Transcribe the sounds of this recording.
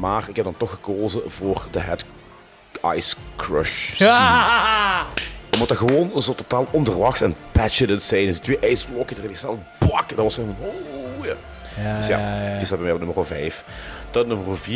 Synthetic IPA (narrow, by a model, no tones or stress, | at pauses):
maːrɪkɛb̚dɑntɔxːə̥koːzənvʊːrdəɦɛt | ɑ̰jskɹœ̰ʃi | əmutəɣəʋoːnzɔlˠtotaːlˠɔnvərʋɑxtɛnpɛt͡ʃənəntsɛjnɪsdətʋeːʔɛjslɔkətərɪnɪksɛlˠəblɑkdɑtʋɑsɛvɔnojaː | dəsja̰tɪsɑt̚bɛmɛjɔp̚nɵmərovɛ̰jf | d̥ɑnɵməroviː